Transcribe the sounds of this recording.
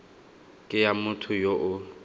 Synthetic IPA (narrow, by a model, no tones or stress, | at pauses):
kʼɪjamʊtʰʊjoʔʊ